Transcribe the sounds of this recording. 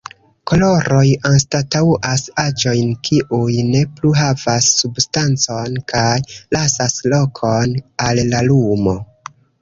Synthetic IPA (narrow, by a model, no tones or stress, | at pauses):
ko̞lo̞ɾo̞janstatawʔasad͡ʒo̞jnkʰiʔujne̞pluɦavasːubstant͡so̞nkʰajlasaslo̞kʰo̞nalːalumo̞